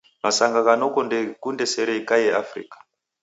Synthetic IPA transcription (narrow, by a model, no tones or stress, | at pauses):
masaŋɡakanokondekundeseɾeikajeafrḭːkḁ